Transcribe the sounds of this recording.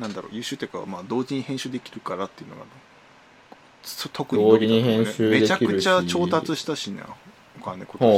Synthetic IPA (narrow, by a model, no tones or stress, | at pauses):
nãnd̪aɾo̰ːjɯ̟ːɕɨːt̪ːekaβa̰maːd̪o̞ːʑiɲ̟ihẽɕɨːd̪e̞kʲi̥ɾɯ̟kaɾat̪ːeiɯ̟noɡa̰ | sot̪ʰo̞kɯ̟oiɲihẽɨme̞d̪et͡ɕakɯ̟t͡ɕat͡ɕo̞ːt̪at͡sɨɕi̥t̪aɕinḛ | okanːḛko